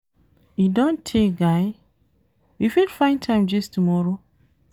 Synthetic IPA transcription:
idõntʰeɡaɪ | wifilfãɪ̃ntʰãɪ̃md͡ʒistumɔɹo

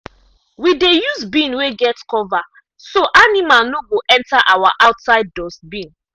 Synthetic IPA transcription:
widejusbĩnweɡɛtkɔva | soʔanimalnoɡoʔɛ̃ntaʔawaʔawtsaɪdːɔsbĩn

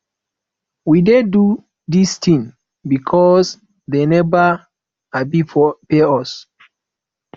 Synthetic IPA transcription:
widedu | distĩŋ | bikʰɔs | denɛva | abifɔpeɔs

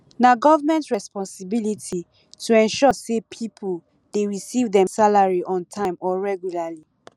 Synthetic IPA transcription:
naɡɔvamɛ̃ntɹɛspɔ̃nsibilitʰi | tʰuɛ̃nʃɔsepʰipʰul | deɹisivdɛ̃msalaɹiʔɔ̃ntʰãɪ̃mɔɹɛɡjulali

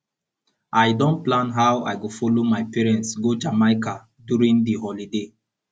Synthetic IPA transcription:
ʔaɪdɔ̃nplãnɦaʊwa̰ɪɡofɔlomaɪpɛɹɛ̃ntsɡod͡ʒamaɪka | djuɹĩŋdiɦɔlide

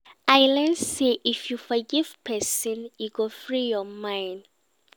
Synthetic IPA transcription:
ajlɛ̃nseʔifjufɔɡivpʰɛsɔ̃nuɡofɹijɔmãjnd

